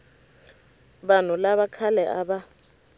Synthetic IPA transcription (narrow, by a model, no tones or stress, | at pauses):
ban̤ulaβakʰalɛʔaɓa